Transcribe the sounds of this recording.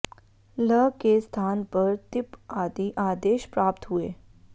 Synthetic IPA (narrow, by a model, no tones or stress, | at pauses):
ləkest̪ʰanpəɾt̪ipad̪iʔad̪eɕpɾapt̪ɦue